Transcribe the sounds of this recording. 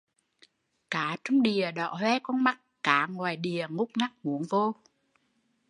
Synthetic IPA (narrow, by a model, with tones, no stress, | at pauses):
kaː˨˦t͡ɕɔ˧wŋ͡mɗi˨˩əɗɔ̰˧˨hwɛ˧˦kɔ˧nma˦˥t̚kaː˨˦ŋwaː˨˩jɗi˨˩əŋʊ˦˥k͡p̚na˦˥k̚mu˨˦ənvo˧